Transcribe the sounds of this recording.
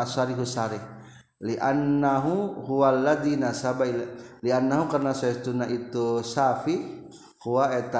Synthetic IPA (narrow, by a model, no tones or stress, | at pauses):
asaɾiɦusaɾih | liʔanːaɦuhuwalːad̪inasabailalianːaɦukarnasaɛst̪unaʔit̪usafi | huwaɛt̪a